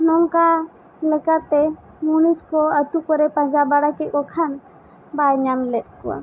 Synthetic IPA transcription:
nɔŋka | lɛkat̪ːɛ | muniskɔət̪ukɔɾɛpãd͡ʒabaɽakɛkɔkʰan | bajɲamlɛt̪̚ˀkɔwa̰

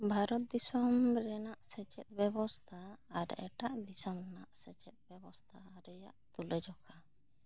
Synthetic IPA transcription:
bʱaɾɔt̪̚d̪isɔmɾɛnaʔsɛt͡ʃɛt̪̚bɛbɔst̪ʰaːɾɛ̰ʈaʔd̪isɔmɾɛnaʔsɛt͡ʃɛt̪̚bɛbɔst̪ʰaɾɛja̰ʔt̪ulɛd͡ʒɔkʰa

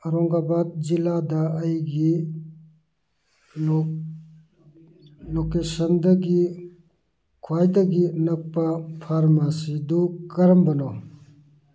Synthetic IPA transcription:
ɐɾɔŋɡabad̪̚zilad̪ɐɐjɡi | lokesɐnd̪ɐɡi | kʰwajd̪ɐɡinɐk̚pːapʰaɾmasid̪ukɐɾɐmbɐnɔ

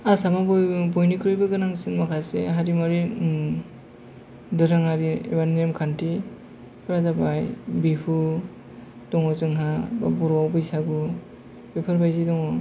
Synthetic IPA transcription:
asamabbɔjnikʰɾɔjbɯɡɯnaŋsɯnmakʰaseɦaɾimaɾi | dɯɾɯŋaɾiḛbanemkʰanti | pɯɾazabajbipʰu | dɔŋɔzɯŋɦaba̰bɔɾawbɯjsaɡu | bepʰɯɾbajzidɔŋɔ

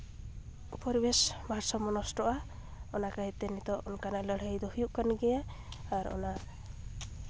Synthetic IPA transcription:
upɔɾbesmaɾsɔmɔnɔsʈɔʔa | ɔnakaɦɛt̪ɛnit̪ɔʔɔnkanaləɽ̤ajd̪ɔhujuʔkanɡɛjaː | ɾɔ̰na

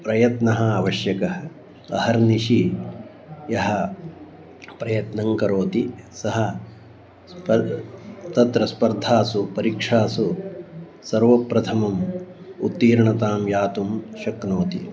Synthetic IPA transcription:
pɾɐjɐt̪nɐɦɐ̆aʋɐʃjɐkɐɦɐ | ɐɦɐɾniʃi | jɐɦɐ̆ | pɾɐjɐt̪nɐŋkɐɾoːt̪isɐɦɐ̆ | pɐ | t̪ɐt̪ɾɐspɐɾd̪ʱaːsupɐɾikʂaːsu | sɐɾʋɐpɾɐt̪ʰɐmɐmut̪ːiːɾɳɐt̪aːmjaːt̪umʃɐknoːt̪ḭ

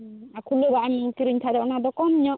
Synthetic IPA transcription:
akʰulobaʔaɲkiɾiɲt̪ʰad̪ɔʔnad̪ɔkɔmiɲɔʔ

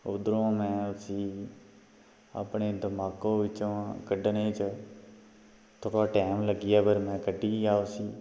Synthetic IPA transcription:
ʊd̪ɾõːmɛ̃ːʊsiː | a̰pɳeːd̪əmaːkõːʋɪt͡ʃõːkəɖənẽːt͡ʃ | t̪ʰoːkaːʈɛːmləɡɪjaːbəɾmɛ̃ːkəɖiːaːosiː

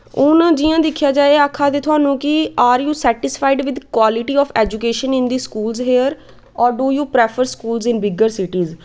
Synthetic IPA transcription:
ʊnd͡ʒiːãːd̪ɪkʰːjaːd͡ʒaːeakʰːaːd̪eːt̪ʰʊaːnũːkɪaːɾjuːsɛːʈɪspʰaːɪɖʋɪd̪kwaːlɪʈiːɔːfʰɛːd͡ʒukeːʃənɪ̃nd̪iːskuːlzɦeːəɾ | ɔːɾɖuːjuːpɾɛːpʰəɾskuːlzɪ̃nbɪɡəɾsɪʈiːz

